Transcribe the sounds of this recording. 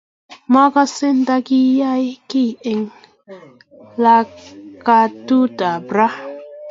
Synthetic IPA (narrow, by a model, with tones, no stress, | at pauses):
ma˦ka˦se˦nt̪a˧ki˦ja˦jki˦˨ɪ˧ŋ | la˧ka˧tu˦ta˨bɾa˦